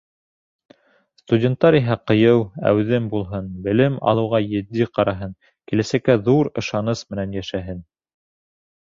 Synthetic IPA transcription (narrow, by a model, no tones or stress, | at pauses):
st̪udʲent̪ːɑɾiɦæqɤ̆jɤwæ̰wðɘmbulˠɦɤnbɘ̆lɘmɑ̰lˠɤ̆wʁɑjɘ̆d̪ːiqɑɾɑɦɤn | kilæsækːæðuɾɤ̆ʃɑnɤsmɘ̆nænjæʃæɦɘn